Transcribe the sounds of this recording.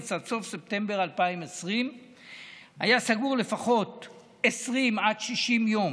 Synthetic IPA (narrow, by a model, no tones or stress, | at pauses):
t͡sadso̞fse̞p̚t̪e̞mbe̞ʁalpaimesʁim | hajasaɡuʁle̞faχo̞t | esʁimad̪ʃiʃimjo̞m